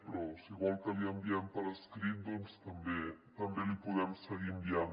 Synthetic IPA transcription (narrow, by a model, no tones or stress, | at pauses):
pɾɔsiɣwalk̪aβiambiampaɾaskɾind̪onst̪ambet̪ambelipuðɛmseɣimbian